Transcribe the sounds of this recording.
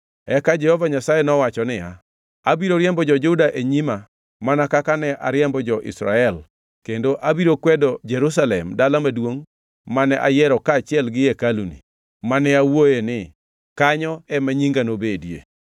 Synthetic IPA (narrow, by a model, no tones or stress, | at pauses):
ɛkad͡ʒɛhɔvaɲasajɛnɔwat͡ʃɔnɪja | abiɾoɾjɛmbɔd͡ʒɔd͡ʒudaʔeɲima | manakakanɛʔa̰ɾjɛmbɔd͡ʒɔʔɪ̰sɾa̰ɛl | kendoʔabiɾokwɛdɔd͡ʒɛɾus̬alɛmdalamadwoŋ | manɛʔa̰jɛɾɔkaːt͡ʃɪɛlɡɪekalunḭ | manɛawojenɪ | kaɲɔɛmaɲiŋɡanobedjḛ